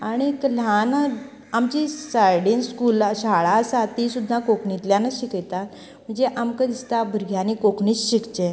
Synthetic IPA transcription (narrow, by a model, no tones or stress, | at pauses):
aɽ̃iklan | amt͡ɕisajɽinskulɕaɭasat̪isud̪ʱːakokɳit̪ljanəɕikəjt̪at̪ | m̤əɳd͡zeʔamkəd̪ist̪abʱəɾɡʱjanikokɳiːt͡sɕikt͡ɕe